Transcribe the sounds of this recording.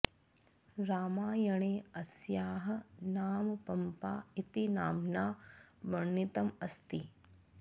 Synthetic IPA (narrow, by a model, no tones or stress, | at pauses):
ɾaːmaːjɐɳeːɐsjaːɦɐ̆naːmpɐmpaːit̪inaːmnaːbɐɳːit̪ɐmɐst̪i